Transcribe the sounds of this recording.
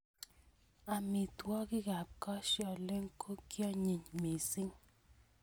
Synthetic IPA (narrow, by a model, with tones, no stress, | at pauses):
a˨mɪ˨t̪wɔ˦ɡɪ˦ɡa˨p̚kɔ˦ʃjɔ˨le˦ŋkʰo˦kjɔ˦ɲi˨ɲme˨sɪ˦ŋ